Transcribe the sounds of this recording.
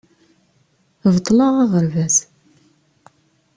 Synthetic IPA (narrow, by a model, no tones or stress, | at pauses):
vt̪ˤːlɑʁaʁəɾvæs